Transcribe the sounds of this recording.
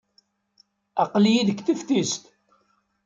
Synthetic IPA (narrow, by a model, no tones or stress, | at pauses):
ɑqljiðəkːθift̪ist̪